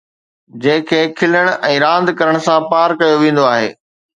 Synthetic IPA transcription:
d͡ʑɐ̃ɦɪ̃kʰeːkʰɪləɽ̃ʔɛ̃ːɾãːnd̪kɐɾəɽ̃ʊsãpaːɾkɐjoʋẽːn̆d̪oaːɦḛː

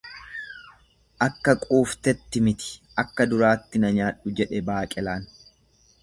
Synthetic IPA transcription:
ʔɐkːɐkʼuːft̪ɛt̪ːɪmɪt̪ɪ̥ʔɐkːɐd̪ʊɾaːt̪ːɪnɐɲaːᶑʊd͡ʒɛᶑɛbaːkʼɛlaːn

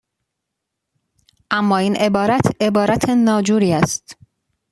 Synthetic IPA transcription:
ʔæmːɒːiːnʔe̞bɒːɾæt̪ʰe̞bɒːɾæt̪ʰenɒːd͡ʒuːɾiːæst̪

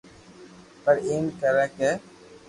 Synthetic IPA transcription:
pəɾeːnkəɾɛːke

